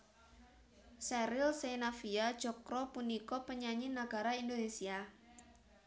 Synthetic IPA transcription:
sɛɾɪlsenafiad̥ʒ̥ɔkɾɔpunikɔpəɲaɲinaɡ̥a̤ɾaind̪onesia

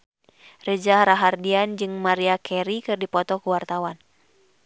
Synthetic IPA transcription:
rəd͡ʒahɾaɦardiand͡ʒɨŋmaɾiakʰɛɾikɨrdipɔt̪ɔkuwart̪awan

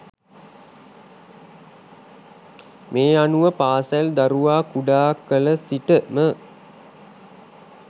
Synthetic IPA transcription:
meːanuʋəpaːsald̪aɾuʋaːkuɖaːkːələsiʈəmə

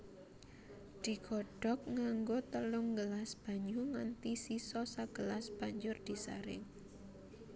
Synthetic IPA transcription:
d̪̥i̤ɡ̥ɔ̤ɖ̥ɔ̤k̚ŋaŋɡot̪əlʊŋɡəlasb̥a̤ɲuŋant̪isisɔsaɡ̥əlasb̥a̤ɲd͡ʒʊrd̪̥i̤sa̰ɾɪ̰ŋ

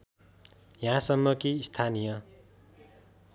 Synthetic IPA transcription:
jãsʌmːʌkist̪ʰanijʌ

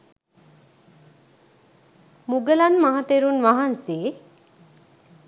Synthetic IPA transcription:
muɡəlanmaɦat̪eɾunʋaɦanse

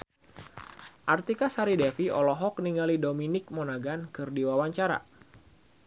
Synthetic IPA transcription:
ʔart̪ikasaɾidɛfiɔlɔɦɔk̚niŋɡalidominɪk̚monaɡankɨrdiwawaɲt͡ʃaɾa̰

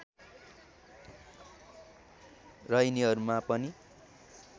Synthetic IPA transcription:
rʌjniɦʌɾumapʌni

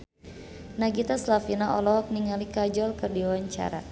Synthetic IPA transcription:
naɡit̪aslafinaʔɔlɔɦɔk̚niŋalikad͡ʒɔlkɨrdiawaɲt͡ʃa̰ɾa̰

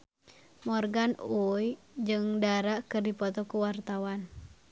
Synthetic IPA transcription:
mɔrɡanuj | d͡ʒɨŋdaɾaʔkɨrdipɔt̪ɔkuwart̪awan

